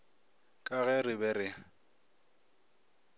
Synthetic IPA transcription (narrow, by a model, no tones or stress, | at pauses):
kʼaɣɛrɪbɛɾɪ